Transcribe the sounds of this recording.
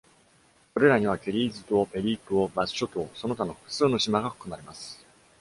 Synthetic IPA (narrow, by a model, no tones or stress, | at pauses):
ko̞ɾe̞ɾaɲ̟iβ̞akʲe̞ɾʲiːzɨt̪o̞pe̞ɾʲiːkɯobasɕo̞t̪oːso̞no̞t̪ano̞ɸɯ̥kɯ̟̥sɨːno̞ɕimaɡaɸɯ̟̥kɯ̟maɾe̞masɨ̥